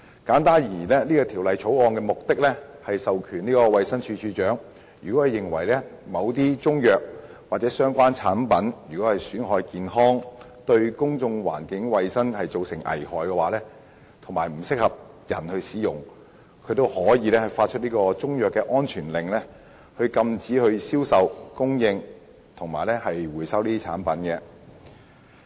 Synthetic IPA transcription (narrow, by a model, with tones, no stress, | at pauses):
kaː˨˥nt̪aː˥njiː˨˩lɛː˥niː˥kɔː˧t̪ʰiː˨˩wlɐ˨jt͡ʃʰo˨˥wɔː˧nkɛː˧mʊ˨k̚t̪ɪ˥k̚lɛ˥hɐ˨jsɐ˨wkʰyː˨˩niː˥kɔː˧wɐ˨˧jsɐ˥nt͡ʃʰyː˧t͡ʃʰyː˧t͡ʃœː˨˥ŋ | jy̰ː˨kɔː˨˥hɐ˨jɪ˨˩ŋwɐ̰˨˩jlɛ˥mɐ˨˧wt̪iː˥t͡sʊ˥ŋjœː˨k̚ | waː˨t̚t͡sɛː˨˥sœː˥ŋkʷaː˥nt͡sʰaː˨˥npɐ˨˥njyː˨˩kɔ˨˥hɐ˨jsyː˨˥nɦɔː˨˥jkiː˨nɦɔː˥ŋ | t̪ɵ˧ɥkʊ˥ŋt͡sʊ˧ŋwa̰ː˨˩nkɪ˨˥ŋwɐ˨jsɐ˥nhɐ˨jt͡so˨wsɪ˨˩ŋʔɐ̰˨˩jhɔː˨jkɛ˧waː˨˥lɛː˥ | t̪ʰʊ˨˩ŋmaː˨˩jm̩˨˩sɪ˥k̚hɐ˨p̚ | jɐ˨˩nhɵ˧ɥsiː˨˥jʊ˨˩ŋ | kʰɵ˨˧t̪o˥whɔː˨˥jiː˨˧lɛː˥hɐ˨faː˧t̚t͡ʃʰɵ˥t̚niː˥kɔː˧t͡sʊ˥ŋjœː˨˩kːɛː˧ʔɔː˥nt͡ʃʰyː˨˩nlɪ˨ŋlɛː˥ | hɵ˧ɥkɐ˧mt͡siː˨˥hɵ˧ɥsiː˥wsɐ˨wkʊ˥ŋjɪ˧ŋ | t̪ʰʊ˨˩ŋmaː˨˩jlɛ˥hɐ˨jwuː˨˩jsɐ˥wliː˥iː˥a̰ː˨˥npɐ˨˥nkɛ˧